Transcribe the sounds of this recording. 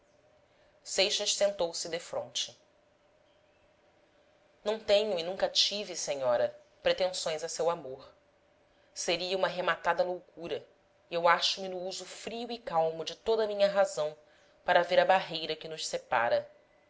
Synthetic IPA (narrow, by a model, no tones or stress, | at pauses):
sejʃɐʃsẽnt̪owsɪd̪efɾõ̰nt͡ʃɪ | nɐ̃w̃t̪ẽɲʊinũkɐt͡ʃiviseɲɔɾɐ | pɾet̪ẽsõj̃zɐsewamoɾ | seɾiɐũmɐɦemat̪ad̪ɐlowkuɾɐ | iewaʃʊmɪnʊuzʊfɾiuikawmʊd͡ʒɪt̪od̪ɐmĩɲɐɦazɐ̃w̃ | paɾɐveɾɐbaɦejɾɐkɪnʊʃsepa̰ɾɐ